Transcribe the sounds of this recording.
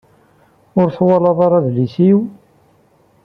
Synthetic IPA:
ʊɾθwɑlɑðˤɑɾˤɑðlisiw

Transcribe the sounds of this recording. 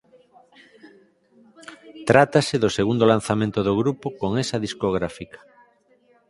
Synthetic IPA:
t̪ɾat̪aseðoseɣund̪olan̟θamẽnt̪oðoɣɾupokoŋesɐðiskoɣ̞ɾafikḁ

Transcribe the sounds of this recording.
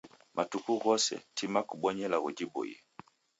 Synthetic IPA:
mʔatukuɣɔsɛ̰tʰimakuɓɔɲɛlaɣud͡ʒibɔ̰jɛ̰

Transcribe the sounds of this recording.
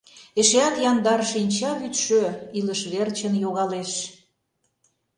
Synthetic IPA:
eʃeɑkjɑnd̪ɑɾʃinʲt͡ɕɑβyt̪ʃøiləʃβert͡ɕənjoɣɑleʃ

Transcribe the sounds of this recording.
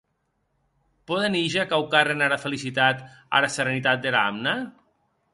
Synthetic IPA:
pɔðeniʒakawkarenaɾafelisit̪at̪ | a̰ɾaseɾenit̪at̪̚d̪eɾamna

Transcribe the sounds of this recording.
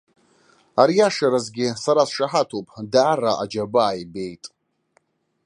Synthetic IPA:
aɾijaʂaɾazɡʲɪsaɾasʂaħatʰopʼdaːraʔa̰d͡ʒabaajbe̞jtʼ

